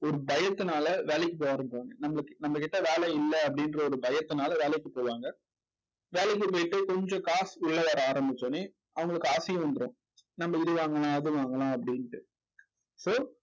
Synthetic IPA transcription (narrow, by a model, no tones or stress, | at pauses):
ɔɾɯbɐjɐt̪ːɯnaːlɐʋeːlɛɪkːɯp̬oːʋaːɾɐmɡaːŋɡɐnɐmːɐɭɯkːnɐmːɐkɪʈːɐʋeːlɛɪlːɐɐpːɐɽɪnrɐɔɾɯbɐjɐt̪ːɯnaːlɐʋeːlɛkːɯpoːʋaːŋɡɐ | ʋeːlɛɪk̬ːɯpoːjɪʈːɯkɔɲd͡ʒɔ̃kaːsʊɭːɐʋɐːɾɐaːɾɐmbɪt͡ʃːonːi | ʔɐʋɐŋɡɐɭɯkːɯaːsɐjʊ̃ʋɐnd̪ɯɾõː | nɐmːɐɪɾɯʋaːŋɡɐlãːɐðɯʋaːŋɡɐlãːɐpːɐɽɪnʈːɯ | soː